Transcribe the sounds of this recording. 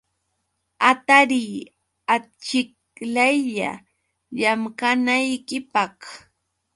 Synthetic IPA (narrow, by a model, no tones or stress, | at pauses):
at̪aɾiː | at͡ʃɪk | lajʎa̰ | ʎamɢanajkɪpɑχ